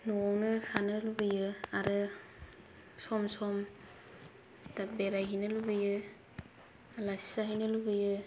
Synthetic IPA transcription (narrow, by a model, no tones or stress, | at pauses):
nɔawnɯanɯlubɯjɯaɾɯ | sɔmsɔm | dabeɾajɦinɯlubɯjɯ | lajssaɦijnɯlubɯjɯ